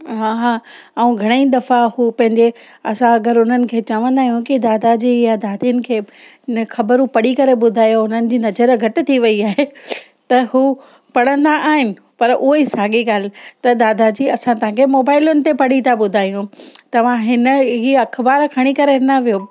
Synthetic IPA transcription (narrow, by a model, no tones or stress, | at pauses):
ɦaɦaːɐũɡʱɐɽ̃eĩd̪ɐfahuːpɐ̃ɦɪ̃ɲd͡ʑe | ɐsãɐɡəɾʊn̤ənɪ̆kʰeːt͡ɕɐʋə̃nd̪aːɦijũkid̪aːd̪ad͡ʑijad̪aːd̪iʊnɪ̆kʰeː | nxɐbəɾũpɐɽikɐɾeɓʊd̪ʱaːjoʊn̤ənɪ̆d͡ʑiːnɐzəɾɡʱɐʈɪ̆t̪ʰiʋɐiaːɦe | t̪ɐhuː | pɐɽə̃nd̪aʔaːɦɪnɪ̆ | pɐɾʔʊisaːɡiɡaːl̤ɪ̆t̪ɐd̪aːd̪ad͡ʑiːɐsãt̪ɐɦãkʰemoːbaːɪlʊnɪ̆t̪epɐɽit̪ʰaɓʊd̪ʱaːijũt̪ɐʋ̤ãɦɪnə̆ɦiːɐkʰbaːɾkʰɐɽ̃ikɐɾenɐʋijoː